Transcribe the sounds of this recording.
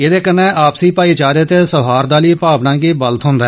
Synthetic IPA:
eːd̪eːkəneːʔaːpsiːpaːiːt͡ʃaːɾeːt̪eːsəɦaːɾd̪aːliːpaːpnãːɡiːbələt̪ɦʊ̃nd̪aɛː

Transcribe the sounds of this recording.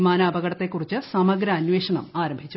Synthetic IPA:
maːnaːbɐɣɐɽɐt̪ːe̞kːurit͡ɕːɨsɐmɐɡɾɐːnweːʂɐɳɐmaːɾɐmbʱit͡ɕːu

